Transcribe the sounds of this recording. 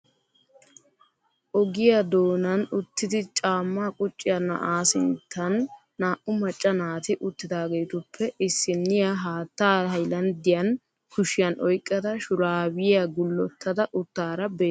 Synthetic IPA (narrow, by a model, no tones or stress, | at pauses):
ʔɔɡɪjɐd̪o̞ːnɐnʊt̪ːɪd̪ɪt͡ʃʼaːmːaːkʼʊt͡ʃʼːɪjɐnɐ̰ʔaːsɪ̰nt̪ʰːɐnː | aːʔʊmɐt͡ʃʼːɐnaːt̪ɪʔʊt̪ːɪd̪aːɡejt̪ʊpʰːɛʔɪsːɪnːɪjaɦaːt̪ːaːhɐjlɐnd̪ɪjɐn | kʊʃɪjɐnʔɔjkʼːɐd̪ɐʃʊɾaːwɪjaɡʊlːɔt̪ːɐd̪ɐʔʊt̪ːaːɾɐbeː